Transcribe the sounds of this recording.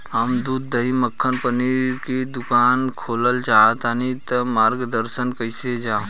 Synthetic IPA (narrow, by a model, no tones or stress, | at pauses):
ɦəmd̪uːd̪ːəɦiməkʰːənpəniɾɾked̪ʊkaːnkʰoːləlt͡ʃaːt̪anit̪ɐmaːɾɡd̪əɾsənkɐɪsed͡ʒãː